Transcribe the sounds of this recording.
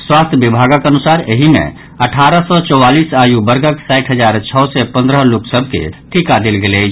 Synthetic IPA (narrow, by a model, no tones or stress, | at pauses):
swaːst̪ʰjbibʱaːɡəkənʊsaːɾəɦimḛ̃ | əʈʰaːɾəsɔt͡ʃɔaːliːsaːjubəɾɡəksaːɪʈʰɦəd͡ʒaːɾt͡ʃʰɔːsɛpə̃nd̪ɾəɦluksəbʱkḛʈʰikad̪ɪlɡele